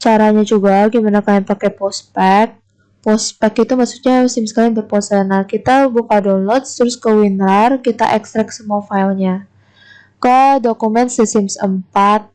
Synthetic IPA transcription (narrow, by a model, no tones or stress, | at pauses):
t͡ʃaɾaɲad͡ʒuɡaɡimanakajaŋpakɛpɔspɛk̚ | pɔspɛkit̪umasu̥k̚ɲasɪmskalɪŋbərpɔsənahkit̪abukadɔnlɔt̪st̪əɾʊskəwinɾarkit̪a̰ʔɛkst̪ɾak̚səmuafailɲa | kədokumɛnsəsɪmsə̰mpat̪̚